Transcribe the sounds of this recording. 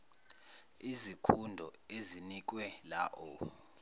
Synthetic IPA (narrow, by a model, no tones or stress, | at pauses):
izikʰundʱɔezinik̬ʼwɛlaʔɔ